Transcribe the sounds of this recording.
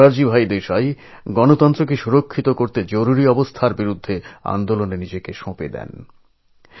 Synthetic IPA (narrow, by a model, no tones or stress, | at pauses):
aɾd͡ʑibʱajd̪eʃaj | ɡɔnot̪ɔnt̪ɾok̬eʃuɾokʰːit̪okoɾt̪ed͡ʑoɾuɾiɔbost̪ʰaɾbiɾud̪ʱːea̰nd̪olonenid͡ʑekeʃõped̪ɛ̰n